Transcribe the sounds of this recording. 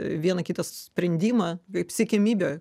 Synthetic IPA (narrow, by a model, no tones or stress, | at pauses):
ʋʲiɛnɐkʲit̪ɐsʲpʲɾʲɛnʲd̪ʲiːmɐkɐɪpsʲɛkʲɛmʲiːbʲoːj